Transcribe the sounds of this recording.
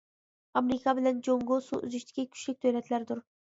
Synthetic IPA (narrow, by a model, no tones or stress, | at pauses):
ɑmɾɪkʰɑbɪlænd͡ʒoŋɡosṵʔʊ̰zyʃt̪ʰɪ̥kʲɪkʲʰy̥ʃlɪkʲt̪ʰɵjlɛt̪ʰlæɾɪd̪ʊɾ